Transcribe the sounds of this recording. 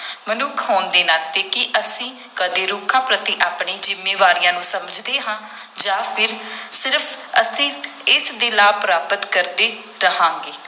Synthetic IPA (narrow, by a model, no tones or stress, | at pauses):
mənʊkʰɦoːnd̪eːnaːt̪eːkɪʔəsĩː | kəd̪eːɾʊkʰːãːpɾət̪iːʔaːpɳiːd͡ʒɪmːeːʋaːɾijãːnũːsəməd͡ʒd̪eːɦãː | d͡ʒaːpʰɪɾsɪɾfʰəsĩː | ɪsd̪ɪlaːpɾaːpət̪kəɾd̪eː | ɾəɦãːŋɡeː